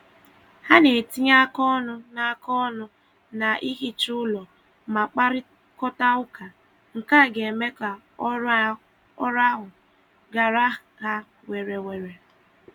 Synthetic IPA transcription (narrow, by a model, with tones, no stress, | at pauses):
ha˦ne˨ti˦ɲa˦kɔ˦nʊ˦na˦˨kɔ˦nʊ˦ | na˨ʔi˦ɦi˦t͡ʃʊ˦lɔ˨ | ma˨k͡pa˦ɾɪ˦ | kɔ˦ta˦ʊ˦ka˨ | ŋ̩˨ka˦˨ɡe˨e˨me˦ka˨ | ɔ˦ɾ | ɔ˦ɾa˦ɦʊ˨ | ɡa˨ɾa˦ | ha˦ | we˨ɾe˨we˨ɾe˨